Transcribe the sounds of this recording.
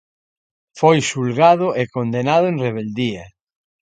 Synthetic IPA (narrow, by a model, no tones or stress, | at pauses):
fojsulɣaðʊekond̪enaðʊẽŋreβ̞eld̪ia